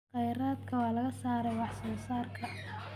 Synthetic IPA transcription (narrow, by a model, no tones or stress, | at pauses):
qɛjɾaːd̪kʰɐwɑːlɐɣɐsaːɾɛjwɑħsɔːsaːrkʰɐ